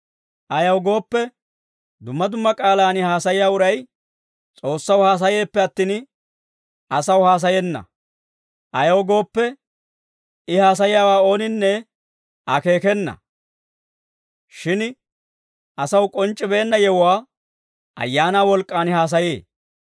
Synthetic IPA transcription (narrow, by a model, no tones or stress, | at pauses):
ʔɐjɐwɡo̞ːpːɛ | d̪ʊmːɐd̪ʊmːɐkʼaːlaːnɪhaːsɐjɪjaːʊɾɐj | t͡sʼo̞ːsːɐwhaːs̬ɐje̞ːpːɛɐt̪ːiːn | ʔɐsɐwhaːs̬ɐjɛnːɐ̰ | ʔɐjɐwɡo̞ːpːɛ | ɪhaːs̬ɐjɪjaːwaːo̞ːnɪnːɛ | ɐke̞ːkɛnːɐ̰ | ʃɪn | ɐsɐwkʼɔnt͡ʃʼːɪbe̞ːnːɐjɛwʊwaː | ʔɐ̰jːaːnaːwɔlkʼːaːnɪhaːs̬ɐjeː